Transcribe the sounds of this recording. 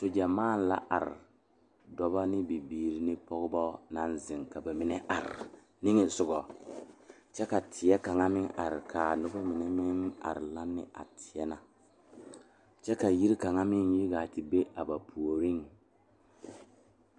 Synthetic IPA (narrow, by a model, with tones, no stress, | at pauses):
to˨d͡ʒa˨maː˦˨n˦˨la̰˦ʔa̰˨ɾɪ̰˨ | dɔ˨ba˦nɪ˦bi˨biː˨ɾi˦nɪ˦pɔ˦ɡbɔ˦na˦nzɪ˨ŋka˨ba˨mɪ˨nɛ˦ʔa˨ɾ̰ | ni˦ŋɪ˨zʊ˨ɡɔ˨ | t͡ʃɛ˦ka˨tʰɪ˨ɛ˦ka˨ŋa˦mɪ˦ŋʔa˨ɾɪ˨kʰa˨nʊ˦ba˦mɪ˨nɛ˦mɪ˦ŋa̰˨ɾla˦nːɪ̰˦ʔa̰˨tʰɪ˨ɛ˦na˨ | t͡ʃɛ˦ka˨ji˦ɾka˨ŋa˦mɪ˦nji˦ɡa˨ti˨be˦ʔa˨ba˨pʰu˨o˨ɾi˦ŋ